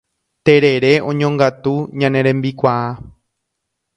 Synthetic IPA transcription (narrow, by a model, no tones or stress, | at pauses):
t̪eɾe̞ɾe̞õ̞ɲõŋɡat̪uɲãnẽɾẽmbikʷaa